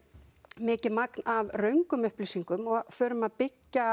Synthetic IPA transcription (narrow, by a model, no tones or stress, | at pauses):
mɪːcɪðmaknavrœɥŋkʏmʏhplisiŋkʏmɔfœːɾʏmaðpɪcːa